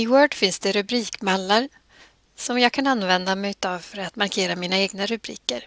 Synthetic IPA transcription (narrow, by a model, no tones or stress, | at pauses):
ɪwœːɖfɪnsd̪̥ɛɾɵbɾiːkmalːaɾ | sɔmjɑːɡ̚kʰananːvɛnd̪amɛjt̪ɑːvfœɾat̪maɾkʰeːɾamiːnaeːɡnaɾɵbɾḭːkəɾ